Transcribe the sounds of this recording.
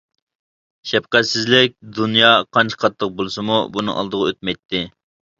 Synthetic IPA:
ʃɛpqæt̪sɪzlɪk̚ʲd̪unjɑqʰɑnt͡ʃʰə̥qʰɑt̪ʰːəq̚bolˠsɨmubunɨ̰ŋɑ̰lˠd̪əʁɑøt̪̚mɛjt̪ʰːɪ

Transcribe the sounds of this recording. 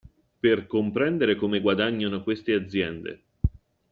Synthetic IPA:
perkompɾɛnd̪eɾekomeɡwad̪aɲːanokwest̪ead̪zːjɛnd̪ḛ

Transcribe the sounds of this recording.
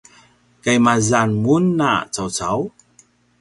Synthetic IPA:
kajmazanmunːa̰t͡sawt͡saw

